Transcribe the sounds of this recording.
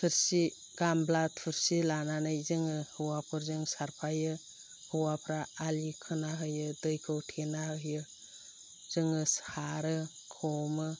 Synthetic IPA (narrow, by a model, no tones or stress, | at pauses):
pʰɯɾsi | ɡ̥amblat̚pʰɯɾsilananɯjzɯŋɯhɯwapʰɯɾzɯŋsaɾpʰajɯ | hɯwapʰɾaːlikʰɯnaɦɯjɯdɯjkʰɯwtʰenaɦɯjɯ | zɯŋɯshaɾɯ | kʰɔmɯ